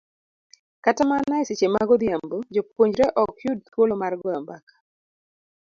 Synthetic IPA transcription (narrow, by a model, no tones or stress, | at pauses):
katamanaɪset͡ʃemaɡɔd̪jambod͡ʒopoɲd͡ʒɾɛʔɔkjud̚t̪wolomarɡɔambakḁ